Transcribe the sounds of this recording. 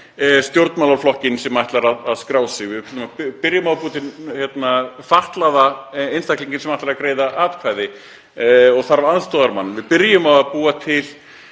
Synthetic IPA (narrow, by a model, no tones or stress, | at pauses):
st̪jowɾt̪mawlaɾflɔhcɪnsɛmajht̪laɾaðaðskɾaːwsɪɣvɪðkɪlʏmapɪɾjʏmawpuːt̪ɪnhjɛt̪nafaht̪laðaejnst̪ʰajkliɲcɪnsɛmajht̪aɾakɾeːjðaʔaːt̪kʰvaːjðɪ | ɔɣθaɾvaanst̪ɔːðaɾmanːmvɪðpɪɾjʏmavaðpuːat̪ʰɪl